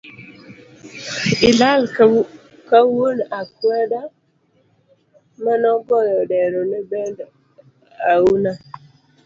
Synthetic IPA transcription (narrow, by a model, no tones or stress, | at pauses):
ɪlal | kawonakwɛda | manɔɡɔjɔdɛɾɔnɛbɛnd | auna